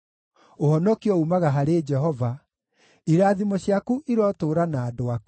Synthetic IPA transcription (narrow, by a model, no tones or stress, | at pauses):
ohɔnɔkiɔumaɣaɦaɾed͡ʒɛɦɔva | iɾaːðimɔɕjakuʔiɾɔtoɾanaːdoaku̥